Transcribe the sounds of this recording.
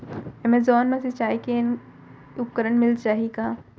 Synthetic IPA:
ɛmezɔːnmẽsit͡ʃaːɦiken | ʊp̚kəɾəɳmɪlt͡ʃaːɦiɡaː

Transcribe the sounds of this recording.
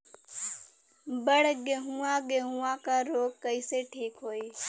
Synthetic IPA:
bəɽɡeɦuãɡeɦuãkaɾoːɡ̚kəiseʈʰiːkɦoːiː

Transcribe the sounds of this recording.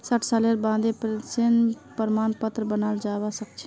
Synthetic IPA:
saʈʰsaleɾbãd̪epɾsen | pəɾmaːnpət̪ɾəbənald͡ʒabasəkt͡ʃʰɛ

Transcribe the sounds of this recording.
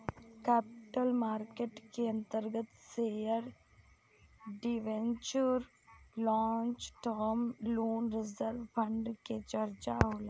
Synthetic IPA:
kɛːpɪʈəlmaːɾkeʈkeɐ̃nt̪əɾɡət̪sejəɾ | ɖiʋent͡ʃuɾ | lɔːnt͡ʃʈəːmloːnɾɪzəɾʋpʰə̃ɳɖket͡ʃɐɾt͡ʃa̰ɦoːle

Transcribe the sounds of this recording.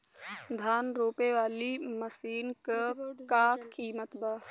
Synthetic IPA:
d̪ʱaːnɾoːpeʋaːlimɐsiːnkəkaːkːiːmət̪baːs

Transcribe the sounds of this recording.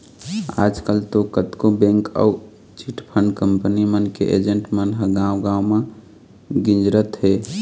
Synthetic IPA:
a̰d͡ʒkəlt̪okət̪kobẽŋkə̰w | t͡ʃiʈpʰəɳɖkəmpənimənkḛʔḛd͡ʒəɳʈmənɦəɡãwɡãwmẽ | ɡĩnd͡ʒɾət̪ɦe

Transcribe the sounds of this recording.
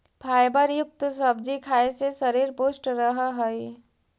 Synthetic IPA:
pʰaːjbəɾjʊk̚t̪səb̚d͡ʒikʰaːesesəɾiɾpoːsʈɾəɦɦəi

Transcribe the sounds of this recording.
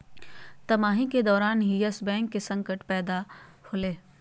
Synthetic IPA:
t̪ɐmaːɦĩked̪ɔːɾaːnɦiəsbɛ̃ːŋkːesɐ̃ŋkəʈpɛːd̪ahoːleː

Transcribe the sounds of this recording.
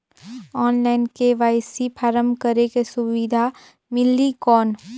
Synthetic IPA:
ɔːnlaːɪnkeʋaːɪsipʰaːɾəmkəɾekesʊʋid̪ʱa | mɪlikɔːn

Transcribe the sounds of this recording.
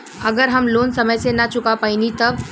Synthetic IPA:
ɐɡəɾɦɐmloːnsɐməjsenɐt͡ʃʊkapaːinit̪ɐb

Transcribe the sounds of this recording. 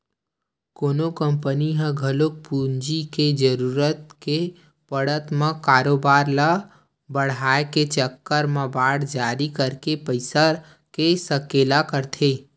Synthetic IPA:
koːnokəmpəniɦə̃ɡʱəlok̚pund͡ʒiked͡ʒəɾuɾət̪ke | pəɽət̪mə̃kaːɾobaːɾla | bəɽ̤aːeket͡ʃəkːəɾmə̃baːɽd͡ʒaːɾikəɾkepəɪsəɾ | kesəkelakəɾt̪ʰe

